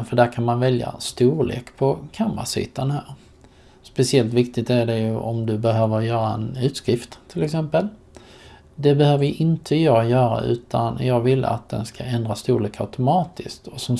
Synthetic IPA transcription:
fœɖækʰanmanvɛlja̰st̪uːɾɭḛːkpʰɔkʰamɾa̰sḭːt̪anhæːɾ | spɛsɪɛlt̪vɪk̚t̪ɪɡt̪æɖɛjɵʔɔmd̪ɵbɛɦøːvəɾjœːɾaɛnʉ̟ːt̪skɾɪft̪ʰːɪlɛksɛmpəl | d̪ɛbɛhøːvəɾjʔɪnt̪ʰəjɑːjœːɾa̰ʔʉ̟̰ːt̪ʰanjɑːɡvɪlːa̰t̪̚d̪ɛ̰nskaɛnd̪ɾast̪uːɭeːka̰ʉt̪ʊmɑːt̪ɪskt̪ʰɔsɔm

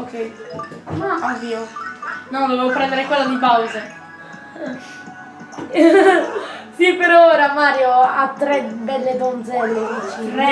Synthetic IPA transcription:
okʰːɛjnaʔavːiːonɔd̪ovevopɾɛnd̪eɾekwelːad̪ipawze | sipeɾɔoɾamaːɾjoat̪ːɾɛbɛlːed̪ɔnd̪zɛlːedit͡ʃirɛ

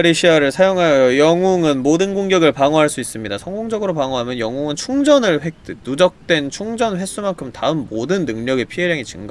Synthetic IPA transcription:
ɾeɕʰiaɾɯɭsʰajoŋɦajjojʌŋuŋɯnmodɯnɡoŋɡjʌɡɯɭpaŋoɦaɭs͈uis͈ɯmɲidasʰʌŋɡoŋd͡ʑʌɡɯɾopaŋoɦamjʌnjʌŋuŋɯnt͡ɕʰuŋd͡ʑʌnɯɭɸek̚t͈ɯnud͡ʑʌk̚t͈we̞nt͡ɕʰuŋd͡ʑʌnɸe̞s͈umaŋkʰɯmtaɯmːodɯnːɯŋɲʌɡe̞pʰiɦeɾjaŋit͡ɕɯŋɡa

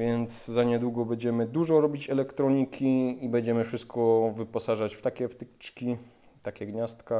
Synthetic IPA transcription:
vʲjɛnt̪szaɲɛd̪wuɡɔbɛɲd͡ʑɛmɘd̪uʐɔɾɔbʲit͡ɕɛlɛkt̪ɾɔɲikʲiibɛɲd͡ʑɛmɘfʂɘst̪̚kɔvɘpɔsaʐat͡ɕft̪akʲɛft̪ɘkt͡ʂkʲi | t̪akʲɛɡɲast̪ka

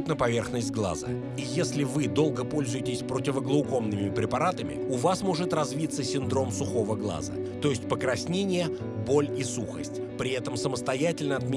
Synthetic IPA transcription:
t̪nəpɐvʲe̞rxnəsʲtʲɡlˠa̰zə̰ | ijesʲlʲɪvɨd̪o̞lˠɡəpo̞lʲzʊjɪtʲɪsʲpɾotʲɪvəɡlˠəʊko̞mnɨmʲɪpɾʲɪpɐɾat̪əmʲɪ̰ʊvasmo̞ʐɨt̪rɐzvʲit̪sːəsʲɪnd̪ɾo̞msʊxo̞vəɡlˠa̰zə̰ | t̪o̞jɪsʲtʲpəkɾɐsʲnʲenʲɪjə | bo̞lʲisuxə̰sʲtʲpɾʲɪɛt̪əmsəməst̪ɐjætʲɪlʲnəɐt̪̚mʲɪ

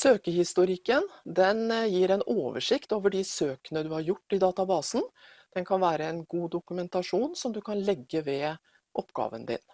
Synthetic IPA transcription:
søːkəhɪst̪ʊɾɪkːənd̪ɛnjiːɾɛnoːʋə̰ʂɪkt̪oːʋəɖɪsøːkənəd̪ʉhɑɾjʊʈːɪd̪ɑːt̪ɑbɑːsn̩ | d̪̥ɛnkʰɑnʋæːɾəɛnɡuːd̪ʊkʉmɛnt̪ɑʂuːnsɔmd̪ʉkʰɑnlɛɡːəʋɛ | ʔɔpɡɑ̰ːʋə̰nd̪ɪ̰n

